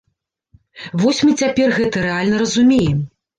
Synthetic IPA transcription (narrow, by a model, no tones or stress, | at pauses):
vɔsʲmɨt͡sʲapʲɛrɣɛt̪ɐɾɛalʲnɐɾɐzumʲejɛm